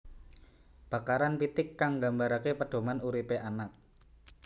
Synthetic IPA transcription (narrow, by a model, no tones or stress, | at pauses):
b̥ä̤kaɾanpit̪ɪkːaŋɡambaɾakepəɖ̥o̤manuɾipeʔanak̚